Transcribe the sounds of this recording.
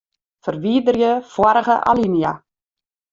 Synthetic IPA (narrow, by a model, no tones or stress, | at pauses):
fərʋiədərjəfwɔɾəɣəʔa̰linia